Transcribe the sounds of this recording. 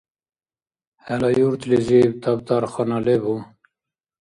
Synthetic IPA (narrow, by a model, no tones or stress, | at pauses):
hælɑjuɾt̪lezibt̪ɑbd̪ɑɾxɑnɑlebu